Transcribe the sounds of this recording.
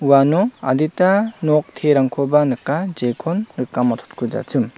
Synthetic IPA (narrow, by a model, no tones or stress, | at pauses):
uanɔa̰ditanɔk̚tʰeɾaŋkʰɔbanɯkad͡ʒekʰɔnɾɯkːamatʰu̥t̚kʰud͡ʒa̰t͡ʃɯm